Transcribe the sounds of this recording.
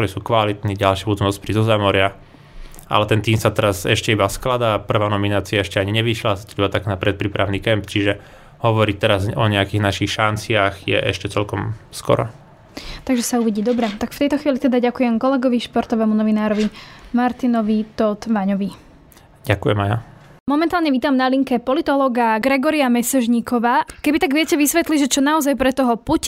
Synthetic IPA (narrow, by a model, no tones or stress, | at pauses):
t̪ɔɾisuːkʋalit̪niːɟalʃɪaud͡zmɛɔspɾizɔzamɔɾɪa | ʔa̰lɛt̪ɛnt̪iːmsat̪ɛɾazɛʃcɛibasklad̪aːpr̩ʋaːnɔminaːt͡siaɛʃcɛaɲiɲɛʋiʃlasḁt̪ɔbat̪aknapɾɛt̪̚pɾiːpɾaʊniːkɛmpt͡ʃiʒɛ | hɔʋɔɾict̪ɛɾazɔɲɛakiːɣnaʃixʃant͡sɪaɣjɛ̰ʔɛ̰ʃcɛt͡sɛlkɔmskɔ̰ɾɔ̰ | t̪aɡʒɛsauʋiɟiːd̪ɔbɾɛt̪akft̪ɛjt̪ɔxʋiːlit̪ɛd̪aɟakujɛmkɔlɛɡɔʋiʃpɔɾt̪ɔʋɛmunɔʋinaːɾɔʋimaɾt̪inɔʋit̪ɔt̪ʋaɲɔʋi | ɟakujɛmaja | mɔmɛnt̪aːlɲɛʋiːt̪aːmnaliŋkɛpɔlit̪ɔlɔɡaɡɾɛɡɔɾiamɛsɛʒɲikʰɔʋaːkɛbit̪aɡʋɪɛcɛʋisʋɛt̪liʒɛt͡ʃɔnaɔzajpɾɛt̪ɔɦɔpuc